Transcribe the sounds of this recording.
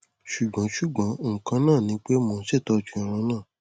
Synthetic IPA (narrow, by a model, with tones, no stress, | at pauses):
ʃu˨ɡ͡bã˨˦ʃu˨˦˨ɡ͡bã˨˦o˨kã˧˦nãː˦˨nĩ˨˧˦k͡pe˦mɔ̃˧n̩˦ʃɛ˦˨tɔ˧˦˧t͡ʃũ˧˦a˨ɾ̃ã˧˦nãː˦˨